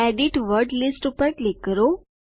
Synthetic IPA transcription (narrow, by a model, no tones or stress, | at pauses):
ɛɖiʈʋəɾɖlisʈupəɾklɪkːəɾo